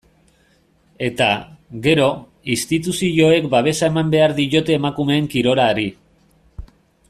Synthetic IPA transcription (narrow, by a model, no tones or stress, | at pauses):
e̞t̪a̰ɣe̞ɾo̞ | ist̪it̪usiʎo̞e̞kbaβ̞e̞sae̞mambe̞aɾðiʝo̞t̪e̞ːmakume̞ːŋkiɾo̞ɾaːɾi